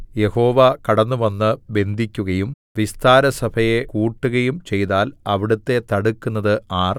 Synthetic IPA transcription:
je̞ho̞ːʋɐkɐɽɐnːuʋɐnːɨbe̞nd̪ʱikʲːuɣɐjum | ʋist̪aːɾɐsɐbʱɐje̞kuːʈːuɣɐjumt͡ɕe̞jðaːlɐʋiɽut̪ːe̞t̪ɐɽukːunːɐðɨaːr

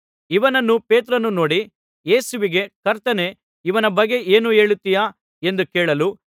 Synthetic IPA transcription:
iʋɐnɐnːupeːt̪̬ɾɐnːuno̞ːɽi | je̞ːsuʋiɡe̞kɐɾt̪ɐne̞ | iʋɐnɐbɐɡːe̞ʔeːnue̞ːɭut̪ːija | e̞nd̪ukeːɭɐlu

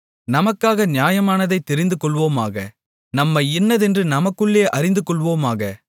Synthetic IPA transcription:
nɐmɐkːaːɣɐnɪjaːjɐmaːnɐðɐɪt̪ːɛɾɪnd̪ɯkːɔɭʋoːmaːɣɐ | nɐmːɐɛnːɐðɛndrɯnɐmɐkːɯɭːeːʔɐɾɪnd̪ɯkːɔɭʋoːmaːɣɐ

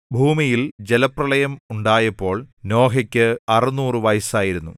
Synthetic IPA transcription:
bʱuːmijild͡ʑelɐprɐɭɐjɐmuɳɖaːjɐpːo̞ːɭno̞ːɦɐkʲːɨɐrinuːrɨʋɐjsaːjiɾunːu

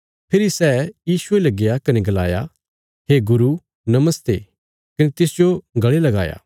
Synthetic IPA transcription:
pʰɪɾisɛːjiːsʊelɐɡɪjakɐneɡɐla̰ːja | ɦeɡʊɾu | nɐməst̪eː | kɐnet̪ɪsd͡ʒoɡɐɭelɐɡa̰ːja̰ː

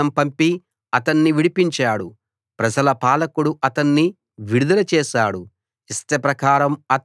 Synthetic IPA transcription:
ɐmpɐmpi | ɐt̪ɐnːiʋiɽipiɲt͡ʃaːɽu | pɾɐd͡ʒɐlɐpaːlɐkuɽuʔɐt̪ɐnːi | ʋiɽud̪ɐlɐt͡ʃɛːʃaːɽu | ist̪epɾɐkaːɾɐmɐt̪

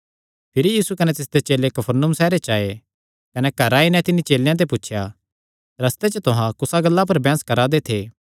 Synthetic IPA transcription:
pʰɪɾijiːsukɐnet̪ɪsd̪et͡ʃeːlekɐpʰəɾnʊmsɛːɾet͡ʃaːe | kɐnɛkɐɾaːinɛ̃t̪ɪnit͡ʃeːlejãt̪̬eputːʃʰja | ɾɐst̪et͡ʃət̪ʊɦãkʊsaɡɐlːap̬ɐɾbɛ̃ːskɐɾad̪et̪ʰeː

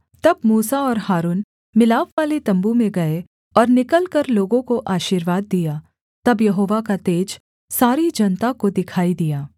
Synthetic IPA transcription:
t̪ɐb̚muːsaɔːɾhaːɾuːn | mɪlaːʋʋaːlet̪ɐ̃mbumẽɡɐe | ɔːɾnɪkəlkɐɾloːɡõkoʔaːʃiːɾʋaːd̪̚ːijaː | t̪ɐbjɐɦoːʋakat̪eːd͡ʒ | saːɾid͡ʒɐnt̪akod̪ɪkʰaːid̪ijaː

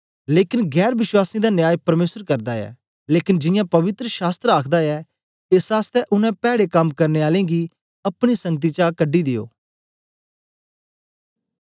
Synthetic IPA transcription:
leːkɪnɡɛːɾʋɪʃwaːsĩd̪anjaːjpɐɾmeːsəɾkɐɾd̪aɛ̰ː | leːkɪnd͡ʒɪjãːpɐʋɪt̪ɾəʃaːst̪ɾəaːkʰd̪aɛ | esaːst̪ɛʔʊnɛ̃pɛːɽekɐmkɐɾneaːlẽɡi | ɐpɽ̃isɐ̃ŋɡ̚t̪̬it͡ʃakəɖːid̪ɪjo̰ː

